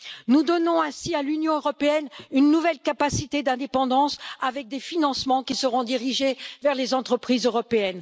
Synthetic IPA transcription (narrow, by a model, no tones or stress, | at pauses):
nud̪ɔnɔ̃ɛ̃sialynjɔ̃øʁɔpeɛnynːuvɛlkapasit̪ed̪ɛ̃d̪epɑ̃d̪ɑ̃savɛk̚d̪efinɑ̃smɑ̃kʲisəʁɔ̃d̪iʁiʒevɛʁlezɑ̃t̪χəpχizøʁɔpeɛn